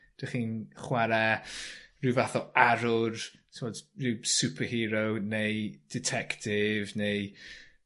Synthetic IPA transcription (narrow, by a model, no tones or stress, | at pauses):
d̥əχinχwɛɾɛ | rɪwvaθɔaɾʊrtʰɪmɔd̥rɪwsupʰəhiːɾownejd̥ɪtʰɛktʰɪvnej